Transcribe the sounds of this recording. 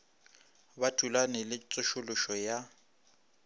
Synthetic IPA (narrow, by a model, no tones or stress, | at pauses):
batʰulanɛlɪt͡sʼʊʃʊlʊʃɔja